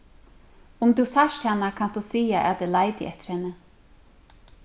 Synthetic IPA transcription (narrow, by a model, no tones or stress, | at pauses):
ʊmd̪usaʃt̪hanːakʰanstd̪usiːaʔa̰t̪̚d̪ɛlajt̪ɪ̰ʔɛht̪ɪ̥ɾhɛnːə